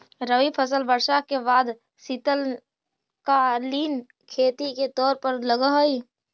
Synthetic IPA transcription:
ɾəʋipʰəsəlbəɾʃakebaːd̪ | sit̪əl | kaliːn | kʰeːt̪iket̪ɔːɾpəɾləɡəɦoi

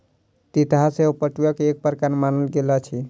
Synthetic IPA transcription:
t̪it̪ɦaseopəʈujakeːk̚pəɾkanmanəlɡelat͡ʃʰi

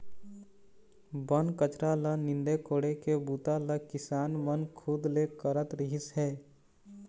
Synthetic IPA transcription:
bənkət͡ʃɾalənɪ̃nd̪ekoːɽekebuːt̪aləkɪsaːnmənkʰud̪lekəɾət̪ɾɪɦɪsɦɛː

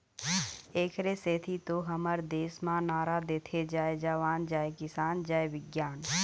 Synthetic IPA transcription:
eːkʰɾeseːt̪ʰit̪oɦəməɾd̪eːsmãnaːɾad̪eːt̪ʰed͡ʒaːed͡ʒaːʋaːnd͡ʒaːekɪsaːnd͡ʒaːeʋɪɡjaːn

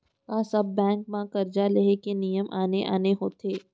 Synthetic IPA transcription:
kaːsɐbːɛ̃ːŋk̚mãkɐɾd͡ʒaleɦekenijəmʔaːneʔa̰ːneɦoːt̪ʰeː

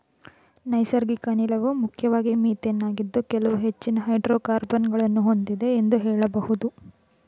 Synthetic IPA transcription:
nɐjsɐɾɡikɐnilɐʋumukʰjɐʋaːɡimiːt̪enːaːɡid̪ːukɛlɐʋuɦet͡ʃːinɐɦɐjɖɾoːkaːɾbɐnɡɐɭɐnːuɦo̞nd̪id̪e̞ːnd̪uɦɛːɭɐbɐhud̪u

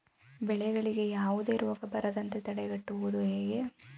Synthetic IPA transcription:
bɛɭɛɡɐɭiɡe̞jaːʋud̪e̞ːɾoːɡɐbɐɾɐd̪ɐnt̪et̪ɐɽɛɡɐʈːuʋud̪uɦeːɡe

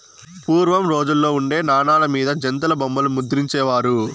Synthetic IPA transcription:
puːɾʋɐmɾo̞ːd͡ʒulːo̞ːuɳɖe̞ːnaːɳaːlɐmiːd̪ɐd͡ʒɐnt̪̬ɐlɐbɐmbɐlumud̪ɾiɲt͡ʃɛːʋaːɾu

